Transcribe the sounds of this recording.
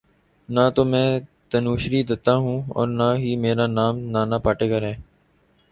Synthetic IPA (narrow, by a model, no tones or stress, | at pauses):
naːt̪oːmɛ̃ːt̪ənuːʃɾiːd̪ɪt̪aːɦũːɔ̰ːɾnaːɦiːmeːɾaːnaːmnaːnaːpaːʈeːɡəɾɦɛː